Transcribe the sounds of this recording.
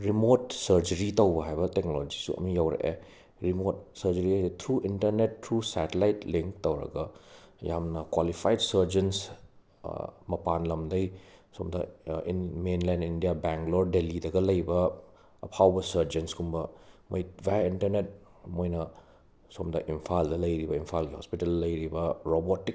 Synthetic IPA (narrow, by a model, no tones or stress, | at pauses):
ɾimotsɐɾd͡ʒɐɾitɐwbɐɦajbɐtek̚nolod͡ʒisṵɐ̰mijawɾḛʔḛ | ɾimot̚sɐɾd͡ʒɐɾiajstʰɾuintɐɾnetʰːɾusɛtelajtliŋk̚tɐwɾɐ̰ɡɐja̰mnɐkwalipʰajdsɐɾd͡ʒens | mɐpanlɐmdɐjsomdɐ̰ḭnmenlanindijabeŋkloɾdelidɐɡɐlɐjbɐː | pʰawbɐsɐɾd͡ʒenskumbɐmɐjbʱajintɐɾnet̚ | mojnɐ | somdɐʔimpʰaldɐlɐjɾibɐimpʰalɡihɔ̰spitɐldɐlɐjɾibɐɾobotik